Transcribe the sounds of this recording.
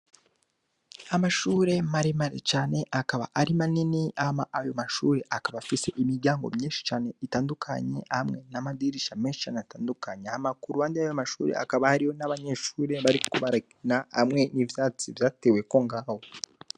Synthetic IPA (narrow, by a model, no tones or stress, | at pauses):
amaʃuːɾe̞maɾimaɾḛt͡ʃaːne̞ʔakaβa̰ʔaɾimaniniʔahmaʔːjo̞maʃuːɾe̞ʔakaβafise̞ʔimiɾɟaːŋɡo̞̰mɲiːnʃi̥t͡ʃaːne̞itaːndukʰa̰ɲe̞̰amŋe̞namadiɾiʃameːnʃi̥t͡ʃaːneataːndukaɲehamakuɾuβaːndijajomaʃuːɾe̞̰a̰kaβahaɾiho̞naβaɲeːʃuːɾe̞βaɾikoβaɾainahamŋe̞nivjaːt͡sivjaːtewe̞ko̞ŋɡaho